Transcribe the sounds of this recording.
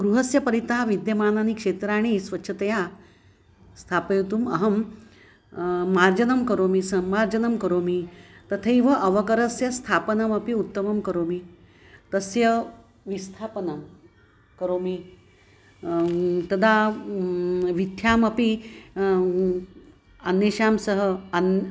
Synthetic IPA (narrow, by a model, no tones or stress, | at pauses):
ɡɾuɦɐsjɐpɐɾit̪aʋid̪jɐmaːnanikʂet̪ɾaːɽ̃isʋɐtːɕʰɐt̪ɐja | st̪ʰapejt̪umɐɦɐm | aɾd͡ʒɐnɐmkɐɾomisɐmːaɾd͡ʒɐnɐmkɐɾomit̪ɐt̪ʰɐiʋɐʔɐʋɐkɐɾɐsjɐst̪ʰapənɐmɐpiut̪ːɐmɐmkɐɾoːmi | t̪ɐsjɐ | ʋist̪ʰapənəm | kɐɾoːmi | t̪ɐd̪a | ʋit̪ʰjaːmɐpi | ənːeɕaːmsɐɦən